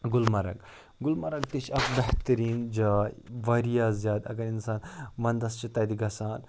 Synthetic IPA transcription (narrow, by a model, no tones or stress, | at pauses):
ɡʊlmɐɾɐ̰ɡ | ɡʊlmɐɾɐɡt̪it͡ʃʰɐkbɛht̪ɐɾiːnd͡ʒaːʋɐɾijaːzʲjaːd̪ɐ̰ɡɐɾinsaːnʋɐnd̪ɐst͡ʃʰit̪ɐd̪iɡɐsaːn